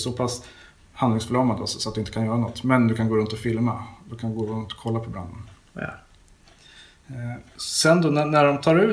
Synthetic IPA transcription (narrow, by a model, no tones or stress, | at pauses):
sɔpʰas | hand̪ɪŋsflɑːmand̪əɔsɔsɔat̪̚ɵɪnt̪əkʰanjœːɾanɔt̪ːmɛnd̪ɵkʰanɡoːɾɵnt̪ɔfɪlmad̪ɵkʰand̪ɵɡoːɾɵnt̪ɔ̥kʰɔlːapʰɔbɾa̰nd̪ən | sɛnd̪ɔnænæɖɔmt̪ʰɑːɾʉ̟ː